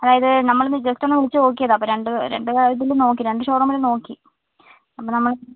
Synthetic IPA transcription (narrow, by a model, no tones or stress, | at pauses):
ɐðaːjɐðɨnɐmːɐɭnɨd͡ʑestonːɨʋeɭit͡ɕːɨo̞ːk̬ːijɐðaːpːoːɾe̞ɳɖɨɾḛɳɖɨkaɾɐt̪̬ːilumno̞ːk̬ːiɾe̞ɳɖɨɕoːrɐmɐluno̞ːkːi | ɐpːonɐmːɐɭ